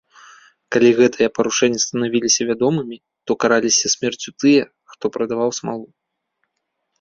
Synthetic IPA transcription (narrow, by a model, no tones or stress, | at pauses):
kalʲiɣɛt̪ʰɐjɐpɐɾuʂɛnʲːɛst̪ɐnavʲilʲisʲɐvʲad̪ɔmɨmʲi | t̪ɔkaɾalʲisʲɐsʲmʲɛrt͡sʲut̪ɨjɛ | xt̪ɔpɾɐd̪avawsmalˠu